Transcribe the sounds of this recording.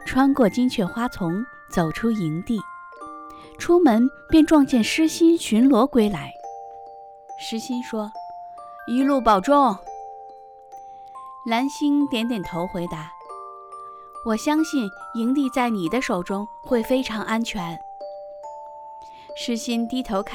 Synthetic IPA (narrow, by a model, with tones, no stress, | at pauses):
ʈ͡ʂʰwa˥nkwɔ˥˩t͡ɕi˥ŋt͡ɕʰɥɛ˥˩xwa˥t͡sʰʊ˧˥ŋ | t͡so˨˩ʊʈ͡ʂʰu˥i˧˥ŋt̪i˥˩ | ʈ͡ʂʰu˥mə˧˥npjɛ˥˧nʈ͡ʂwɑ˥˧ŋt͡ɕjɛ˥˩nʂɻ̩˥ɕi˥nɕy˧˥nlwɔ˧˥kwe˥ɪla˧˥ɪ | ʂɻ̩˥ɕi˥nʂwɔ˥ | i˧˥lu˥˩pɑ˨˩ʊʈ͡ʂʊ˥˩ŋ | la˧˥nɕi˥nt̪jɛ˧˥nt̪̬jɛ˨˩nt̪ʰo˧˥ʊxwe˧˥ɪt̪a˧˥ | wɔ˨˩ɕjɑ˥ŋɕi˥˩ni˧˥ŋt̪i˥˧t͡sa˥˩ɪni˨˩d̪ə˦ʂo˨˩ʊʈ͡ʂʊ˥ŋ | xwe˥˩ɪfe˥ɪʈ͡ʂʰɑ˧˥ŋʔa˥nt͡ɕʰɥɛ˧˥n | ʂɻ̩˥ɕi˥nt̪i˥t̪ʰo˧˥ʊkʰ